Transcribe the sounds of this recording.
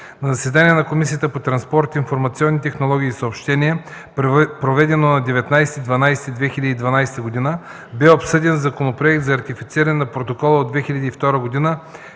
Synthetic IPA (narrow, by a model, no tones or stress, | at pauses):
nɐzɐsɛd̪aniɛnɐkomisiət̪əpot̪ɾɐnspɔɾt̪infoɾmɐt̪siɔnːit̪ɛxnolˠɔɡ̟ʲiːsəopʃt̪ɛnʲiɛ | pɾovɛd̪ɛnonɐd̪ɛvɛt̪najsɛt̪id̪vɐnajsɛt̪id̪vɛxilʲɐd̪iːd̪vɐnajsɛ̥t̪əɡod̪inə | bɛopsɤd̪ɛnzɐkonopɾoɛk̚t̪zɐːɾt̪ifit̪siɾɐnɛnɐpɾot̪okɔlˠəod̪vɛxilʲɐd̪ift̪ɔɾəɡod̪inə